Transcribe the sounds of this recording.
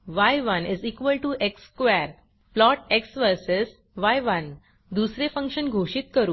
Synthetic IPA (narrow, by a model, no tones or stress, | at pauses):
ʋajʋəniziːkʋəlʈuʔekskʋɛɾ | plɔʈeksʋəɾses | ʋajʋən | d̪usɾefə̃ŋkʂənɡʱoɕiːt̪̚kəɾuː